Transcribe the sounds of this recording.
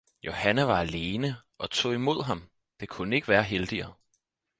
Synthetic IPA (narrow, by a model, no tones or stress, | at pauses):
jo̝hænæʋɑ̈æle̝ːnəʔɒ̽t͡sʰo̝̰ːimo̝ð̞̰ˠɦɑ̈m | d̥e̝kʰunəe̝ɡ̥əʋæːɐɦeld̥iɐː